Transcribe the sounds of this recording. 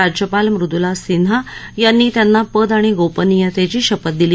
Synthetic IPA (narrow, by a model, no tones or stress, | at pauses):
ad͡ʑjəpalmɾud̪ulasinajanːiːt̪janːapəd̪aɽ̃iɡopənijət̪jat͡ɕiːɕəpət̪̚d̪ili